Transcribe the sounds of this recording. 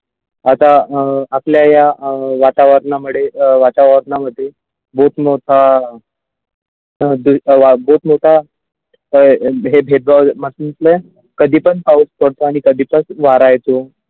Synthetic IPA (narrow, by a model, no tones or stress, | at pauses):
at̪aːpljajaʋat̪aʋəɾnamuɽeʋat̪aʋəɾnaməd̪ʱːe | bʱot̪moʈʰa | d̪uʋabʱot̪moʈʰa | ɦebʱed̪̚baʋməsunt͡s̪ləj | kəd̪ʱiːpənpauspəɽt̪oaɽ̃ikəd̪ʱiːpət͡sʋaɾajt̪o